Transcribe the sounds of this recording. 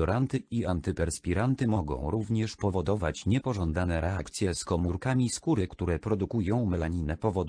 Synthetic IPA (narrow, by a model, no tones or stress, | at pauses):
ɔɾant̪ɘiant̪ɘpɛɾspʲiɾant̪ɘmɔɡɔ̰̃w̃ɾuvɲɛʂpɔvɔd̪ɔvat͡ɕɲɛpɔʐɔnd̪anɛɾɛakt̪sʲjɛskɔmuɾkamʲiskuɾɘkt̪uɾɛpɾɔd̪ukujɔ̃w̃mɛlaɲinɛpɔvɔd̪